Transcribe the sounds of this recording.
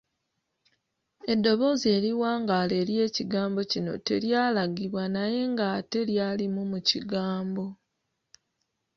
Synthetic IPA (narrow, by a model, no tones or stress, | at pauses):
e̞dːo̞βo̞zie̞ːɾiwaːŋɡaːle̞ːɾje̞ːciɡaːmbo̞cino̞̰te̞ɾjaːlaɡiβwanaje̞ŋɡate̞ljaːlimumuciɡaːmbo̞